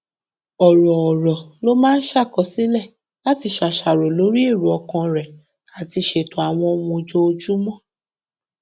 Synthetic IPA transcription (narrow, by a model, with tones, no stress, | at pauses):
ɔ˨ɾɔ˨ɔ˨ɾɔ˨lo˦mãː˦n̩˦ʃa˦˨kɔ˨˧si˨˦lɛ˦˨ | la˦ti˧ʃa˨ʃa˨ɾo˨lo˨˦ɾi˦e˦˨ɾu˨ɔ˧kɔ̃˧ɾɛ˨ | a˨ti˧ʃe˧to˧˦a˨w̃ɔ̃˧o˧mũ˧d͡ʒo˧˦o˧d͡ʒu˦mɔ̃˦˨